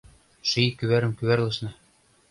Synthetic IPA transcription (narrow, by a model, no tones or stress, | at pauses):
ʃɤikyβæɾɘ̆mkyβærlˠɤ̆ʃnɤ̆